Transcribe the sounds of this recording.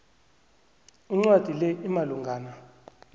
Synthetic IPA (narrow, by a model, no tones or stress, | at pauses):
iŋ͡ǀwad̥ʱilɛʔimaluŋɡʱaːna